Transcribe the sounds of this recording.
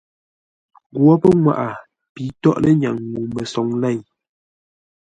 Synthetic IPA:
ɡwɔ˦pə˦ŋwa̰˦˨ʔa˨ | pi˨˦tɔ˦ʔlə˦ɲa˨ŋŋu˨mə˨sɔ˨ŋlɛ˦˨ɲ

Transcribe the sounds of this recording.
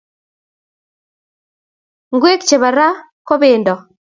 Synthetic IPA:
ŋɡwe˦kt͡ʃe˨βa˨ɾa˦ko˦βeː˨ndɔ˨

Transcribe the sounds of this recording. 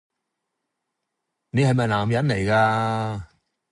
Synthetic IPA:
ne˨˧hɐ˨jmɐ˨jlaː˨˩mjɐ˨˥nle˨˩jkaː˧

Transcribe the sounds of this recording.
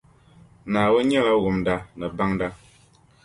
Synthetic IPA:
naː˨wə˦ɲɛ˦la˦ɣu˨mda˦nɨ˨ba˦ŋda˦

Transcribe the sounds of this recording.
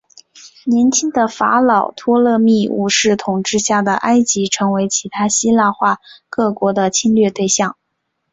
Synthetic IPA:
njɛ˧˥nt͡ɕʰi˥ŋd̪ə˨fa̰˧˥lɑ˨˩ʊt̪ʰwɔ˥lɤ˥˧mi˥˩ṵ˥˧˩ʂɻ̩˥˩t̪ʰʊ˨˩ŋʈ͡ʂɻ̩˥˧ɕja˥˩d̪ə˩ʔa˥ɪt͡ɕi˧˥ʈ͡ʂʰɤ˧˥ŋwe˧˥ɪt͡ɕʰi˧˥t̪ʰa˥ɕi˥la˥˧xwa˥˧kɤ˥˩kwɔ˧˥d̪ə˧t͡ɕʰi˥nlɥɛ˥˧t̪we˥˧ɪɕjɑ˥˩ŋ

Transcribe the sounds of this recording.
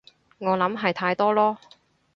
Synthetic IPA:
ŋɔː˨˧lɐ˨˥mɦɐ˨jt̪ʰaː˧jt̪ɔː˥lɔː˥

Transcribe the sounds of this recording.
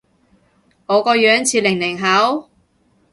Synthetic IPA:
ŋɔː˨˧kɔː˧jœː˨˥ŋt͡sʰiː˧lɪ˨˩ŋlɪ˨˩ŋɦɐ˨˥w

